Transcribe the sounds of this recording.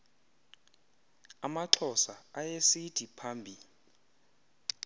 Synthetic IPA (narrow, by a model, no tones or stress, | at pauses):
amaǁʰɔsaajesitʰipʰaːmbʱi